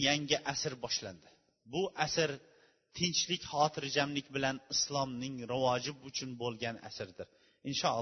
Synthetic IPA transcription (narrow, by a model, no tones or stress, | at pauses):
jaŋɡʲɪʔasɪɾbɒʃland̪ɪ | bʊʔasɪɾ | t̪ʰɪnt͡ʃlɪkʲhɒːt̪ʰɪɾd͡ʒamlɪkʲbɪlanɪslˠɒmnɪŋɾawɒd͡ʒɪbʊt͡ʃʰʊnbolˠɡʲana̰sɪɾd̪ɪɾ | ɪnʃɒ